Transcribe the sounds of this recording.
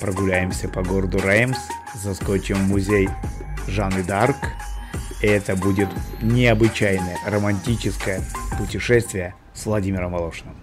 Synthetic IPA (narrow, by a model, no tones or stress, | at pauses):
pɾəɡʊlʲæjɪmsʲəpɐɡo̞ɾəd̪ʊɾajms | zɐskot͡ɕɪmːʊzʲejʐanɨd̪ark | iɛt̪əbudʲɪt̪nʲɪɐbɨt͡ɕæjnəjərəmɐnʲtʲit͡ɕɪskəjəpʊtʲɪʂɛsʲt̪vʲɪjə | svlˠɐdʲimʲɪɾəmɐlˠoʂɨnɨm